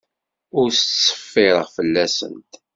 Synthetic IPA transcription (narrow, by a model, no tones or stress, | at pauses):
ʊɾst͡ssːə̥fːɪɾəʁfəlːæsə̰nt̪